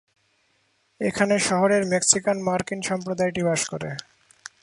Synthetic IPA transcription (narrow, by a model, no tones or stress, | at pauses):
ekʰaneʃɔɦoɾeɾmeksikanmaɾkinʃɔmpɾod̪ajʈibaʃkoɾḛ